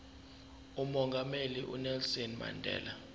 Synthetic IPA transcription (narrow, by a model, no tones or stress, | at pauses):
umɔŋɡʱameliʔṵnɛlsɔnma̰ndʱɛ̰ːla